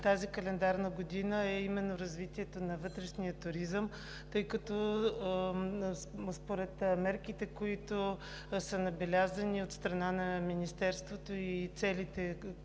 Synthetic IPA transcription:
t̪azikɐlɛnd̪aɾnəɡod̪inəɛimɛnːoɾɐzvit̪iɛt̪onɐvɤt̪ɾɛʃnijət̪ʊɾizəm | t̪ɤjkɐt̪ɔ | spoɾɛt̪mɛɾkit̪ɛkoit̪o | sənɐbɛlʲazəniot̪st̪ɾɐnanɐminist̪ɛɾst̪vot̪oit̪sɛlit̪ɛ

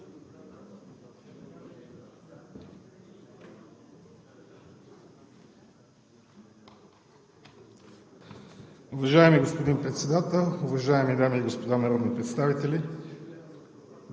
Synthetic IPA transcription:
ʊvɐʒaɛmiɡospod̪inpɾɛt̪sɛd̪at̪ɛlˠʊvɐʒaɛmid̪amiːɡospod̪anɐɾɔd̪nipɾɛt̪st̪avit̪ɛli

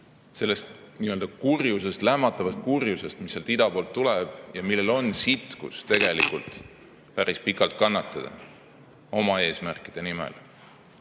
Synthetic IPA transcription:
se̞lːe̞st̪ | niːø̞ld̪̥ɑkurjuse̞st̪læmːɑt̪ˑːɑvɑst̪̚kurjuse̞st̪misːelt̪id̪ɑpoːlt̪ːuleb̥jɑmilːe̞lo̞nsit̪kṵst̪e̞ɡ̥e̞lḭkˑult̪ˑ | pæɾispikːˑɑlt̪̚kɑnːɑt̪ːˑɑd̪̥ɑ̰ | o̞mɑe̞ːsmærkːˑid̪̥e̞nimḛl

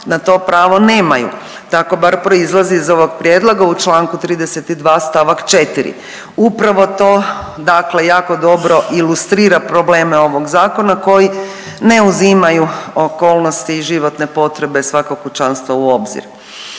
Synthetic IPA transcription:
nat̪o̞pɾaːʋo̞ne̞ːmajṵ | t̪ako̞baɾpɾo̞izlˠaziːzo̞ʋo̞ɡpɾjed̪lˠoɡaut͡ʃlˠaːŋkut̪ɾiːd̪ese̞t̪id̪ʋaːst̪aʋakt͡ʃe̞t̪iɾḭ | upɾaʋo̞t̪o̞ːd̪akle̞jaːko̞d̪o̞bɾo̞ʔilust̪ɾiːɾapɾo̞ble̞ːmeo̞ʋo̞ɡzaːko̞nako̞ji | ne̞uzimajuoko̞ːlˠnost̪iːʒiʋo̞t̪ne̞po̞t̪ɾe̞be̞sʋakokot͡ʃanst̪ʋouo̞bzḭɾ

